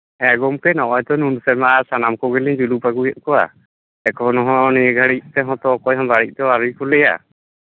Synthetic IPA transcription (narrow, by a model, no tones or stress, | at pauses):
ɛɡɔmkɛnɔʔɔjt̪ɔnunsɛɾmaʔasanamkɔɡɛlid͡ʒulupaɡujɛt̪̚kɔwa̰ | ɛkɔnɔɦɔ̃niɡʱaɽic̚t̪ɛɦɔ̃t̪ɔkɔjɦãmbaɽic̚ˀt̪ɔaɾujkɔlɛja̰